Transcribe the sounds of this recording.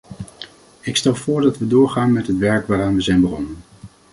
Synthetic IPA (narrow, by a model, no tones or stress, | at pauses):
ɪkstɛlˠvʊːɹdɑtʋədʊːɹχaːnmɛtɦətʋɛɹkʋaːɾaːnʋəzɛjnbəχɔnən